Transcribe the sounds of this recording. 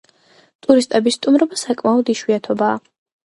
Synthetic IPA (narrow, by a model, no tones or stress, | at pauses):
t̪ʼuɾist̪ʼɛbisːt̪ʼumɾɔbasakʼmaɔd̪iʃwiat̪ʰɔbaː